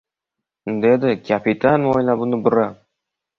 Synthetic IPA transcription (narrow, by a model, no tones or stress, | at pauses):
d̪ed̪ɪkʰʲapit̪ʰanojlabʊnɪbʊɾa